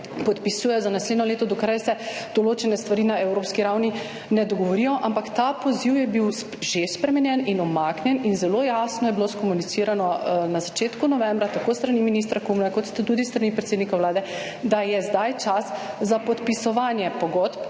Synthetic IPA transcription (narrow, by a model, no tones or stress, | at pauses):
pɔt̪pisuːjɛjɔzanasleːd̪nɔleːt̪ɔd̪ɔkɾajsɛd̪̥ɔloːt͡ʃɛnɛst̪ʋaɾiːnaɛwɾoːpskiɾawni | nɛd̪ɔɡɔʋɔɾijɔʔampakt̪apɔziwjɛbiw | ʒespɾɛmɛnjɛninɔmaknʲjɛninzɛlojasnɔjɛbiloskɔmunit̪siːɾanɔnazat͡ʃeːt̪kunɔʋɛmbɾat̪akost̪ɾaniminist̪ɾakumnakɔt̪st̪t̪ud̪ist̪ɾanipɾɛt̪seːd̪nikawlaːd̪ɛ | d̪ajɛzd̪ajt͡ʃaszapɔt̪pisɔʋanjɛpɔɡɔt̪p